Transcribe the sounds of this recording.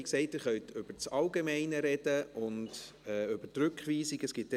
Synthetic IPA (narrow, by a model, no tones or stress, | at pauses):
ksɛɪtɪːɾχœɥtʰʏb̥əɾt͡sɑlɡemɛɪnəɾɛd̥əʔʊnd̥ | ɛʏb̥ətɾʉkχʋiːsiɡəsɡ̥ɪt̚ɛ